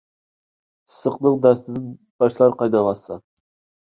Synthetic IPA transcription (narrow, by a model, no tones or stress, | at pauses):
səqnɨŋd̪æst̪ɪd̪ɪn | b̥ɑʃlˠɑɾqɑjd̪ɑlɑsɑ̰